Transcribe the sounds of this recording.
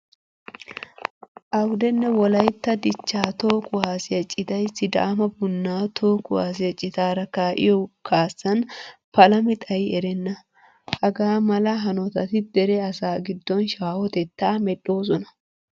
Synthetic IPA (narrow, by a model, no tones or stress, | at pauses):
ʔɐwd̪ɛnːɛwɔlɐjt̪ːɐd̪ɪt͡ʃːaːt̪o̞ːkʊwaːsɪjɐt͡ʃʼɪt̪ɐjsːɪd̪ɐ̰ʔːmɐbʊnːaːt̪ʰo̞ːkʊwaːs̬ɪjɐt͡ʃʼːɪt̪aːɾɐkaːʔɪ̰jɔkaːsːɐnpɐlɐmɪt̪ʼɐjɪɛɾɛnːɐ | hɐɡaːmɐlɐɦɐnɔt̪ɐt̪ɪd̪ɛɾɛɐsaːɡɪd̪ːɔnʃaːhɔt̪ɛt̪ːaːmɛɗo̞ːs̬ɔnɐ